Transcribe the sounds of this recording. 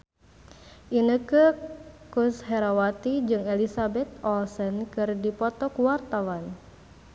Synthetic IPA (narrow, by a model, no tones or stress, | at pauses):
ʔinəkəkushɛɾawat̪id͡ʒɨŋɛlisabɛt̪̚ɔlsənkɨrdipɔt̪ɔkuwart̪awan